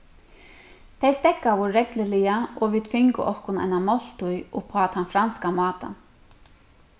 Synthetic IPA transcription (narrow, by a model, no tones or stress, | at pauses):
θʰejst̪ɛkːavɔɾɾɛklɪlɪjaɔɣviːd̪fɪŋkʊ̰ʔɔhkʊna̰jnamɔl̥t̪ʊjɔɣpʰaːt̪hanfɾanskamɑːt̪a̰n